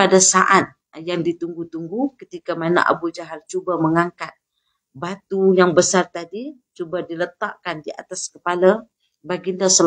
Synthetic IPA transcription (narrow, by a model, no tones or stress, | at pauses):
adasaʔat̪̚ | jaŋdit̪uŋɡut̪uŋɡukət̪ikamana̰ʔa̰buld͡ʒaɦalt͡ʃubaməŋaŋkat̪̚ | bat̪ujaŋbəsart̪adit͡ʃubadilət̪aʔkandiʔa̰t̪askəpala | baɡindahsəl